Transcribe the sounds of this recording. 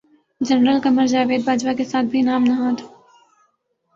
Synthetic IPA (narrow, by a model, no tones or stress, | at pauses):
d͡ʒɐnɾəlkɐməɾd͡ʒaːʋeːd̪̚baːd͡ʒʋakesaːt̪̚ʰbʱinaːmnɐɦãt̪ʰḁ